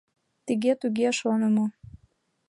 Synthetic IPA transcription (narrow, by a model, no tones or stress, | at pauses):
t̪iɣet̪uɣeʃonemo